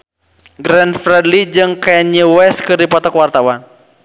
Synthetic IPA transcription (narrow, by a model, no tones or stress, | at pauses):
ɡɾɛnfɾɛdlid͡ʒɨŋkaɲəwɛskɨrdipɔt̪akwart̪awan